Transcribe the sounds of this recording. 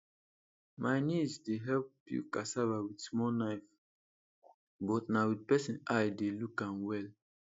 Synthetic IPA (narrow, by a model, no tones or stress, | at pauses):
majnisdeɦɛlpjṵkasavawidsmɔnaɪf | bɔtnawid̚pɛsĩnajdelukãnwɛl